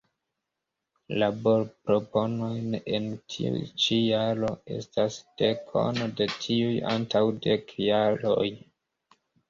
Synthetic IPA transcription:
labo̞ɾpɾo̞po̞no̞jne̞ntʰḭṵjt͡ʃijaɾo̞e̞̰stasd̥e̞kʰo̞̰node̞tʰiuja̰ntawde̞kʰjaɾo̞̰j

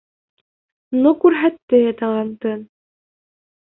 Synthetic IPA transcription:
nokʉɾɦæt̪ːɘjɑt̪ɑʁɑnt̪ɤn

